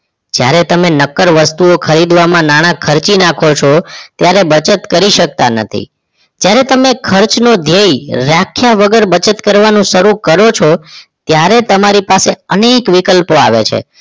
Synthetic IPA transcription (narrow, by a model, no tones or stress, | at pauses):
d͡ʒja̰ɾet̪əmenəkːəɾʋəst̪uokʰəɾid̪ʋamãnaɽ̃ãkʰəɾt͡ʃinakʰot͡ʃʰot̪jaɾebət͡ʃət̪kəɾiʃək̚t̪anə̰t̪ʰḭ | d͡ʒjaɾet̪əmekʰəɾt͡ʃnod̪ʱejɾakʰːjaʋəɡəɾbət͡ʃət̪kəɾʋanũʃəɾukəɾot͡ʃʰot̪jaɾet̪əmaɾipaseənekʋikəlpoaʋḛt͡ʃʰḛ